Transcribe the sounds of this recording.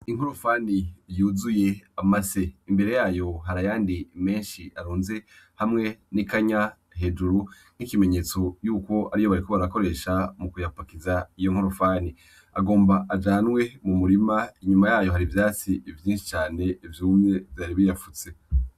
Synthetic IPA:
iŋ̥hoɾofaːnijuːzuje̞amase̞imbe̞ɾe̞jaːjo̞ɦaɾajaːndime̞ːnʃiʔaɾoːnze̞ | hamŋe̞nikaɲa | ɦe̞d͡ʒuɾu | n̥ikime̞ɲe̞ːt͡so̞juːko̞ʔaɾijoβaɾikoβaɾako̞ɾe̞ːʃamukujapakizaijo̞ŋ̥hoɾofaːni | aɡo̞ːmbaʔad͡ʒaːnwe̞mumuɾimaiɲumajaːjo̞ɦaɾivjaːt͡siivjiːnʃi̥t͡ʃaːne̞ivjuːmɲe̞vjaːɾiβijafut͡se̞

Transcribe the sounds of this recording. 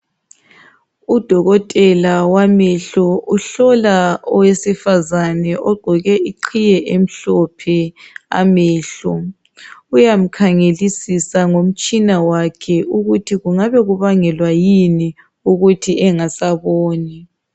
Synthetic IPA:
ud̥ʱɔɣɔtʼɛlawamɛɬɔuɬɔlaɔwesifazanɛʔɔɡ͡ǃʱɔɣɛʔiǃʰijɛʔem̩ɬɔpʰɛa̰mɛːɬɔ | ujam̩kʰaŋelisisaŋom̩t͡ʃʼinawakʰɛʔuɣutʰiɣuŋaβɛɣuβaŋɛlwajini | uɣutʰiʔɛŋasaβoːni

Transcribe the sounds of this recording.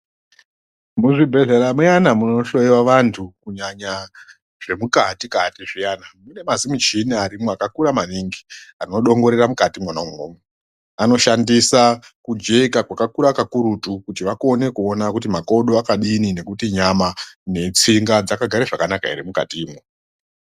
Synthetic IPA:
muʐibʱe̞ɮeɾamwejanamuno̞ʃo̞jiwaʋantʰukuɲaɲa | ʐ̥e̞mukatikatiʐijanamune̞mazimut͡ʃiniaɾimweakakuɾamaniŋɡiano̞ɗo̞ŋɡo̞ɾeramukatimwanaumoːmwe | ano̞ʃandisakud͡ʒeikakwakakuɾakakuɾutukutiʋako̞ne̞kuo̞nakut̬imako̞ɗoakaɗinine̞kutiɲamane̞t͡siŋɡad͡zakaɡʱaɾeʐakanaka̰ḛɾemuka̰tiːmwo

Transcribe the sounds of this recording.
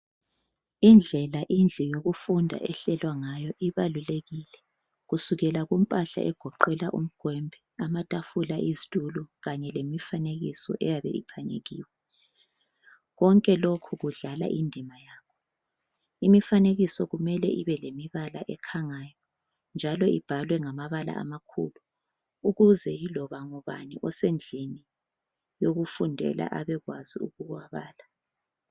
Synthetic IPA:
ind͡ɮʱɛlaʔind͡ɮʱijoɣufundʱa̰ʔɛɬɛlwaŋajɔʔiβaluleɣilɛ | ɣusuɣɛlaɣum̩pʼaɬa̰ʔɛɡ̥ʱɔǃɛlaʔum̩ɡ̥ʱwɛmbʱɛamatʼafulaʔizitʼuluɣaɲɛlemifaneɣisɔ̰ʔɛjaβɛ̰ipʰaɲḛɣḭːwɛ | ɣɔŋkʼɛlokʰuɣuɮala̰ʔindʱimajaːkʰɔ̥ | imifaneɣisɔɣumɛlɛʔiβɛlemiβalaʔɛkʰaŋajɔ | nd͡ʒʱalɔib̥ʱalwɛŋamaβala̰a̰makʰṵlu | uɣuzɛjilɔβaŋɔβa̰niʔɔsend͡ɮʱini | joɣufundʱɛ̰la̰ʔaβɛɣwaziuɣuɣwaβaːla

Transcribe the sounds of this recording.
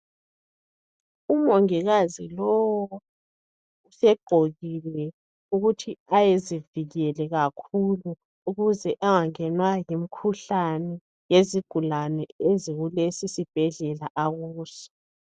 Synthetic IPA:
umoŋiɣazilɔwɔɔ | usɛɡ͡ǃʱoɣilɛ | uɣutʰiajeziviɣɛlɛɣakʰulu | uɣuzɛʔaŋaŋɛnwajimikʰuɬanɛ | jeziɡ̥ʱulanɛeziɣulesisib̥ʱɛɮɛlaʔaɣuːsɔ̥

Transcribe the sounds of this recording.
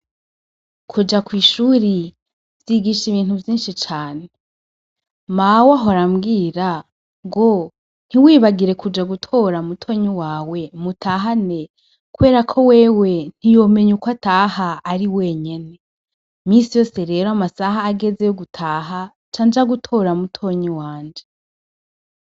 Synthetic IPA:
kʰud͡ʒakwiːʃuːɾi | vjiɡiʃiβiːn̥huvjiːnʃit͡ʃaːne | mawaɦoɾamɡiːɾa | ɡo̞ | n̥hiwiːβaɡiɾe̞kud͡ʒaɡutʰo̞ɾamutʰo̞ɲuwaːwe̞mutʰaːɦane̞ | kuβe̞ːɾakʰo̞we̞ːwe̞n̥ijo̞me̞ɲukwataːhaːɾiweɲe̞ne̞ | misijo̞ːse̞ɾe̞ːɾoamasaɦaːɡe̞ze̞joɡutʰaːɦa | t͡ʃand͡ʒaɡutʰo̞ːɾamutʰo̞ɲiwaːɲd͡ʒe

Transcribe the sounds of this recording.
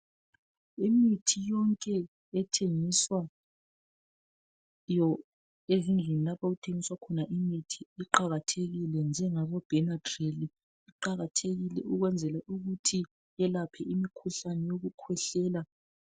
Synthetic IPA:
imitʰijɔŋkʼɛː | tʰeŋiswa | jɔ | ezind͡ɮʱenilapʰaɣutʰeŋiswakʰɔnaʔimitʰiːǃaɣatʰeɣilɛnd͡ʒʱɛŋaβɔb̥ʱɛnadreli | iǃaɣatʰeɣilɛ̰uɣwɛnd͡zʱɛlaʔuɣutʰi | jɛlapʰɛʔimikʰuɬanɛjoɣukʰwɛɬɛːla

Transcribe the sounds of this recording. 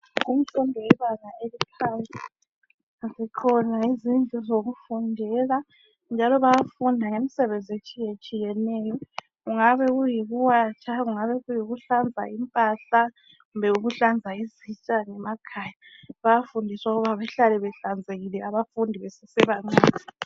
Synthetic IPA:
ɣum̩ǀʰɔndʱɔwɛβaŋaelipʰant͡sʼɛ | zikʰɔnaizind͡ɮʱuzoɣufundʱɛla | nd͡ʒʱalɔβajafundʱaŋemisɛβend͡zʱiet͡ʃʼijet͡ʃʼijɛnɛːjɔ | ɣuŋaβɛɣujiɣuwat͡ʃʰaɣuŋaβɛɣujiɣuɬand͡zʱa̰impʼaɬa | ɣumbʱɛuɣuɬand͡zʱaizit͡ʃʼaŋɛmakʰaːja | βajafundʱiswauɣuβaβɛɬalɛβɛɬand͡zʱeɣilɛaβafundʱiβɛsɛsɛβaŋ͡ǀaːzi

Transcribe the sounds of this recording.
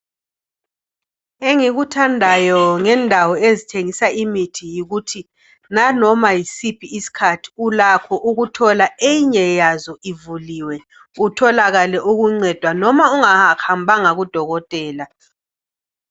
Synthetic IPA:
eŋiɣutʰandʱajɔŋɛndʱawɔezitʰeŋisaʔimitʰijiɣutʰi | nanɔmajisipʰiisi̥kʰatʰi̥ulakʰɔʔuɣutʰɔlaeɲɛjazɔivuliwɛ | utʰɔlaɣalɛʔuɣuŋ͡ǀɛd̥ʱwanɔmauŋaxambʱaŋaɣud̥ʱɔɣɔtʼɛːla

